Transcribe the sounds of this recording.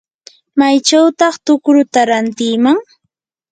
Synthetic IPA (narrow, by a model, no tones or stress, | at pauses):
majt͡ʃawt̪ɑχt̪ʊkɾʊt̪aɾant̪ɪːmaŋ